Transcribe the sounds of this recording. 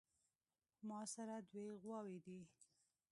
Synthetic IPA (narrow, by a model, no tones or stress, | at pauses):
mɑsaɾad̪weɣwɑwed̪i